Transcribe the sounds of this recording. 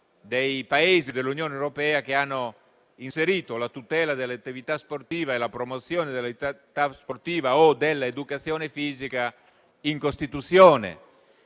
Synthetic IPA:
d̪ejpaeːzid̪elːunjoːnewɾopɛːakeanːo | inseɾiːt̪olat̪ut̪ɛːlad̪elːat̪ːivit̪asport̪iːvaelapɾomot̪sːjoːned̪elt̪asport̪iːvaod̪elːaed̪ukat̪sjoːnefiːzika | iŋkost̪it̪ut̪sjɔːnḛ

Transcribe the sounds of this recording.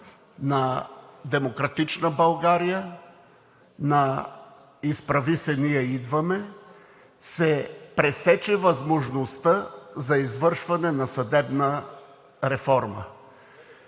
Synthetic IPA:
nɐd̪ɛmokɾɐt̪it͡ʃnəbɐlˠɡaɾijə | nɐ | ispɾɐvisɛniɛid̪vɐmɛ | sɛpɾɛsɛt͡ʃɛvɐzmoʒnost̪əzɐizvɤɾʃvɐnɛnɐsɐd̪ɛbnə | ɾɛfɔɾmə̰

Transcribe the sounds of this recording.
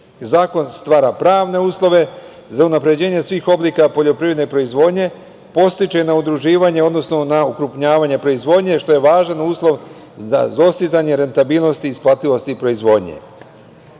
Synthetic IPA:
zaːko̞nst̪ʋaːɾapɾaːʋne̞uːslˠo̞ʋe̞ | zaunapɾe̞d͡ʑe̞ːɲe̞sʋiːxo̞bliːkapo̞ʎo̞pɾiʋɾed̪neipɾo̞izʋo̞ːd̪ɲe̞ | po̞st̪it͡ʃe̞naud̪ɾuʒiːʋaɲe̞o̞d̪no̞sno̞naukɾupɲaːʋaɲe̞pɾo̞izʋo̞d̪ɲe̞ʃt̪o̞je̞ʋaːʒanuːslˠo̞ʋ | a̰d̪o̞st̪izaɲe̞ɾe̞nt̪abiːlno̞st̪iːsplˠaːt̪ilo̞st̪ipɾo̞izʋo̞d̪ɲḛ

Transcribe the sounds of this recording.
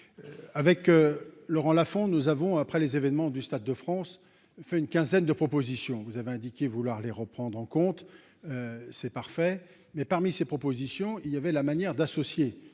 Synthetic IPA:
avɛklɔʁɑ̃lafɔ̃nuzavɔ̃apχɛlezevɛnmɑ̃d̪yst̪ad̪ːəfχɑ̃s | fɛynkʲɛ̃zɛnd̪əpχɔpozisjɔ̃vuzaveɛ̃d̪ikʲevulwaʁleʁəpχɑ̃d̪ʁɑ̃kɔ̃t̪ | øsɛpaʁfɛ | mɛpaʁmisepχɔpozisjɔ̃iljavɛlamanjɛʁd̪asɔsje

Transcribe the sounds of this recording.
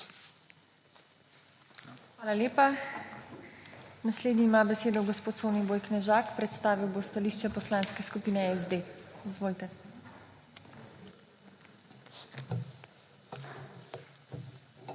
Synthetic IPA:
xʋaːlaleːpa | nasleːd̪niːmaːbɛseːd̪ɔɡɔspoːt̪soːniboːjknɛʒaːkpɾɛt̪st̪aːʋiwbost̪aliːʃt͡ʃɛpɔslaːnskɛskupiːnɛɛzd̪eizʋoːlt̪ɛ

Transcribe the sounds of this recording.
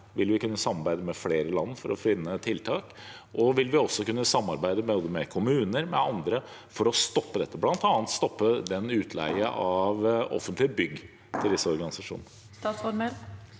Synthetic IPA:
ʋɪlʋɪkʉnːəsɑmɑɾbæɪd̪əmɛfleːɾəlɑnːfɔɾɔ̰fɪnːət̪ʰɪlt̪ʰɑːk | ʔɔʋɪlʋɪɔsːɔkʉnːəsɑmːɑɾbæɪd̪əmɛɔd̪əmɛkʰʊmʉːnəɾmɛɑnd̪ɾə | fɔɾɔst̪ɔpːəd̪ɛt̪ːəblɑnt̪ɑːnnt̪st̪ɔpːəd̪ɛnʉːt̪ʰlæ̰ɪəʔɑʋɔ̰fənt̪lɪbʏɡː | t̪ʰɪld̪ɪsːəɔɾɡɑnɪsɑʂṵːnə | t̪ɑsfɔɾməɾ

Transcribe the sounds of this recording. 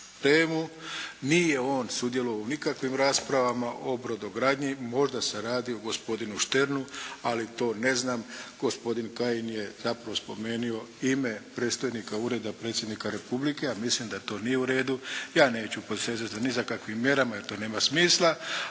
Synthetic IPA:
t̪eːmunije̞o̞ːnsud̪jeloʋaunikakʋimɾaːspɾaʋamaʔobɾo̞d̪oɡɾaːd̪ɲimo̞ʒd̪ase̞ɾaːd̪ioɡo̞spo̞d̪inuʃt̪e̞ɾnualit̪o̞ːne̞znaːmɡ̥ospo̞d̪inkajinje̞zapɾaʋo̞spo̞me̞ːnio̞imepɾet̪st̪ojnikauɾe̞d̪apɾe̞t̪sʲje̞d̪nikaɾe̞publike̞amislimd̪at̪o̞ːnijeuɾe̞ːd̪ujaːne̞ːt͡ɕuposezat̪zanizakakʋimːje̞ɾamajeɾt̪o̞ːne̞ːmasmiːslˠa

